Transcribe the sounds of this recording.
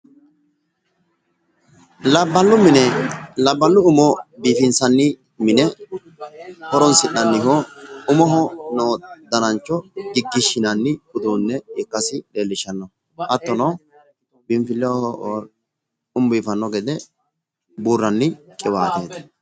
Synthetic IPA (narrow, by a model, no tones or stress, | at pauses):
lɐbːɐlːʊmɪnɛlɐbːɐlːʊʊmɔbiːfɪnsɐnːɪ | mɪnɛ | hɔɾɔnsɪnːɐnːɪɦɔʊmɔɦɔnoːd̪ɐnɐnt͡ʃːɔɡɪɡːɪʃːɪnɐnːɪhʊd̪uːnːɛɪkːɐsɪᶑe̞ːlːɪʃːɐnːɔ | ʔɐt̪ːɔnɐw | bɪmfɪlːɛwahɔ | ʊmbiːfɐnːɔɡɛd̪ɛ | buːrːɐnːɪkʼɪwaːt̪eːt̪ɐ̥